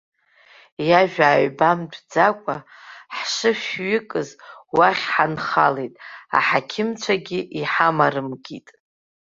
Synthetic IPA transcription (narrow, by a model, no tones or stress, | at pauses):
jaʒᶣaːɥbamdd͡zakʷʼaħʂɨʃᶣɥɪkʼɨzwaχʲħanχalejtʼa̰ħakʲʰɪmt͡ʃʷʰaɡʲɪʔiħamaɾɨmɡitʼ